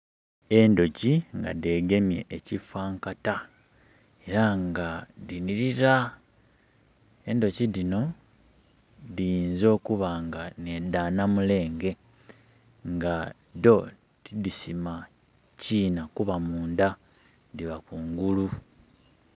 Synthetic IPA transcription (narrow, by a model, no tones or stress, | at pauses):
e̞ndo̞ciŋɡa̰de̞ːɡe̞mje̞̰ʔecifaːŋkata | e̞ɾaŋɡadiniɾiɾa | e̞ndo̞cidino̞ | dijiːnzo̞ːkuβaŋɡane̞daːnamule̞ːŋɡe̞ | ŋɡa | do̞ | tidisima | ciːnakuβamuːnda | diβakuːŋɡulu